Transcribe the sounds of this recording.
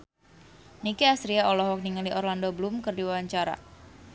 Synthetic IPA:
nikiasɾiaɔlɔhɔk̚niŋaliʔɔrlandoblumkərdiwawaɲt͡ʃaɾa̰

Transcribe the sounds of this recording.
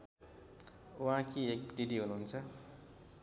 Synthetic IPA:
uɦãkiek̚ɖiɖiɦunuɦunt͡sʰʌ

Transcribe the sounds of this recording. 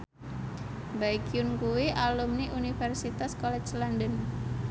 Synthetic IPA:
baikiʊnkuwiʔalumniʔunifɛrsit̪askɔlɛt͡ʃlandən

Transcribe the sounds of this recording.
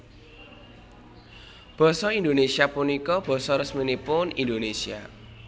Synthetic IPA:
b̥ɔ̤sɔind̪onesiapunikɔb̥ɔ̤sɔɾəsminipʊnind̪onesia̰

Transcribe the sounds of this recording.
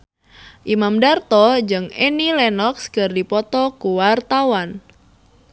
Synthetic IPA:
ʔimamdart̪ɔd͡ʒɨŋenilɛnɔkskərdipɔt̪ɔkuwart̪awan

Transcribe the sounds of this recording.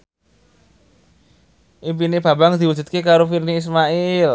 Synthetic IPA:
ʔimpineb̥a̤baŋd̪̥i̤wud͡ʒ̥ṳt̪̚kekaɾofirniːs̬maʔɪl

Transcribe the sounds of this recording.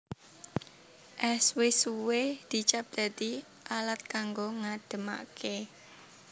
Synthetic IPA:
ʔɛswɪsuwed̪̥i̤t͡ʃap̚d̪̥a̤d̪i | ʔalat̪̚kaŋɡoŋad̪̥ə̤ma̰ke

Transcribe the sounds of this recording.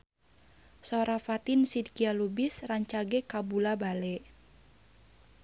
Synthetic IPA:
soɾafat̪insid̪kialubisraɲt͡ʃaɡekabulabalɛ

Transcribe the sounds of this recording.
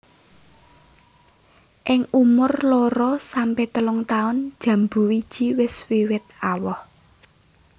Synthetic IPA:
ʔɪŋumʊrlɔɾɔsampɛht̪əlʊŋt̪aʊn̥ʒ̥ä̤mbṳwid̥ʒ̥i̤wɪswiwɪt̪̚awɔh

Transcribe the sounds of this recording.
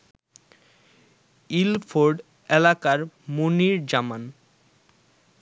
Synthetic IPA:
ilfʰoɾɖ | ɛlakaɾmuniɾd͡ʑaman

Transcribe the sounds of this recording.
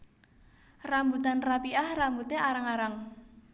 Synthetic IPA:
rambut̪anrapiahrambut̪eʔaɾaŋaɾaŋ

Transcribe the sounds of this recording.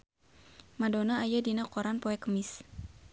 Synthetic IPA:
madonaːjadinakɔɾanpoɛkəmɪs

